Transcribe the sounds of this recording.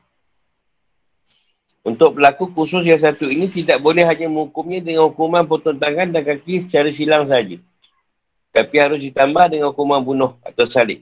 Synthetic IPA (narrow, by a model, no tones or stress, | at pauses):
unt̪ʊk̚bəlakukusʊs̬jas̬at̪uinĩt̪idaʔ̚bolɛhɦaɲamə̃ukʊmɲãdəŋanhukumanpərt̪unt̪aŋandankakisə̥t͡ʃaɾəsilaŋs̬aɦad͡ʒa | t̪apiɦaɾʊs̬dit̪ambahdəŋanhukumanbunɔha̰t̪awsalɪʔ